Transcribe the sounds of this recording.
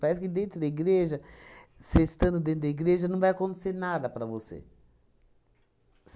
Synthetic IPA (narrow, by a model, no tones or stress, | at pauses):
paɾɛs̬ʊkɪd̪ẽnt̪ɾʊd̪ɐiɡɾeʒɐsest̪ɐ̃nd̪ʊd̪ẽnt̪ʊd̪ɐiɡɾeʒɐnɐ̃w̃vajɐkõnt̪e̥seɾnad̪ɐpɾɐvosḛ | s